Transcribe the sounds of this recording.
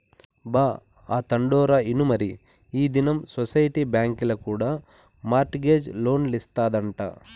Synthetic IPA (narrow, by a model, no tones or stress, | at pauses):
baː | aːt̪ɐɳɖɔːɾaːinumɐɾi | iːd̪inɐmsosɐjʈiːbjaːŋkilɐkuːɽaː | maːɾʈɡeːd͡ʒlo̞ːnlist̪aːd̪ɐɳʈa̰ː